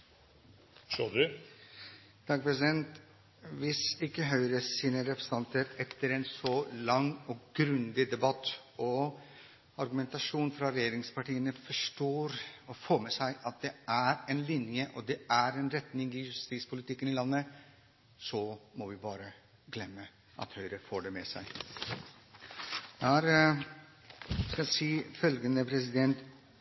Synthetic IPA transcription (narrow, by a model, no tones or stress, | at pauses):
ʃød̪ʉ | t̪ʰɑk̚pʰɾɛsɪd̪ɛnt̪ | ʋɪsɪkːəɦœʏɾəsiːnəɾɛpɾɛsn̩ʰɑnt̪əɾɛt̪ːəɾɛnsɔlɑŋɔɡɾʉnd̪ɪd̪ɛbɑt̪ːɔ | ɑɾɡʉmɛnt̪ɑʂuːnfɾɑɾɛjeːɾɪŋspɑʈiːənəfɔʂʈoːɾɔfoːmɛsæɪʔɑt̪̚d̪ɛæɾɛnlɪnjəʔɔd̪ɛæɾɛnɾɛt̪nɪŋɪjʉst̪iːt̪spʰʊlɪt̪ʰɪkːənɪlɑnːə | sɔmɔʋɪbɑːɾə | ɡlɛmːə | ʔɑ̰t̪hœʏɾəfoːɖɛmɛsæ̰ɪ | d̪ææɾ | skɑæsiːfœlɡənəpʰɾɛs̬ɪd̪ɛnt̪